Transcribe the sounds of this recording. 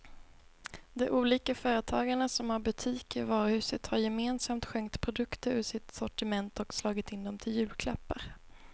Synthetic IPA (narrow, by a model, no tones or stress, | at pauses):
d̪ɛʔuːliːkafœːɾət̪ʰɑːɡaɳasɔmhaɾbɵt̪ʰiːkɪvɑːɾʊhʉ̟ːsət̪haɾjɛmeːnsamt̪ɧɛŋkt̪pʰɾʊd̪ɵkt̪əɾʉ̟ːʂɪt̪sɔʈɪmɛnt̪ɔkslɑːɡɪt̪ɪnd̪ɔmt̪ʰɪljʉ̟ːlkʰla̰pːaɾ